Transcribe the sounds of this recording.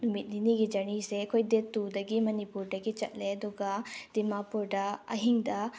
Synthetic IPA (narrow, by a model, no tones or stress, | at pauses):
umit̚niniɡid͡ʒɐɾniseɐkʰojdetːudɐɡimɐnipuɾdɐɡit͡ʃɐt̚leɐduɡɐd̥imapuɾdɐɐ̰ɦiŋdɐ